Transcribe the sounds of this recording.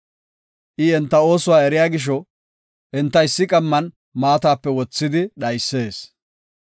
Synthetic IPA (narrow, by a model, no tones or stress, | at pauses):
ʔɪɛnt̪ːɐo̞ːsʊwaːɛɾɪjaːɡɪʃ̬ɔ | ʔɛnt̪ːɐɪsːɪkʼɐmːɐn | maːt̪aːpːɛwɔt͡sːɪd̪ɪɗɐjsːe̞ːs